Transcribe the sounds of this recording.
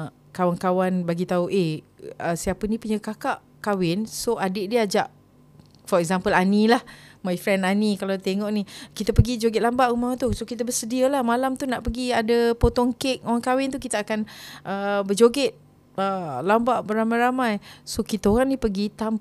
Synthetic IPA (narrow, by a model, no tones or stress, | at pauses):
kawankawanbaɡit̪auʔeəsiapənĩpuɲəkakaʔ | kawɪnsoʔadɪʔdiəad͡ʒaʔ | fɔɾɛk̚zampəlanĩlahmãjfɾɛnanikalat̪eŋɔʔnikit̪apəɡid͡ʒoɡɪt̪̚lambaʔumawt̪usokit̪abəsədiəlahmalamt̪unaʔpəɡiadəpot̪ɔŋkek̚oaŋkawɪnt̪ukit̪aakanʔəbəd͡ʒoɡɪt̪̚ | əlambaʔbəɾamajɾamajsokit̪aoɾaŋnipəɡit̪am